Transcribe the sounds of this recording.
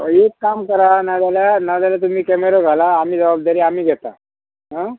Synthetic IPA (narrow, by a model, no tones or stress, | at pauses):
ekːamkəɾanad̪aljanad̪aljat̪um̤iːkɛmeɾoɡʱalaːm̤iːd͡zəbab̚d̪aɾiːam̤iːɡʱɛt̪a | ɦã